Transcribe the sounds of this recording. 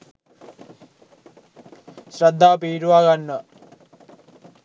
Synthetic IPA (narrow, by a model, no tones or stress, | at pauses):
sɾɐd̪ʱːaːpiːɾuʋaːɡanːɐ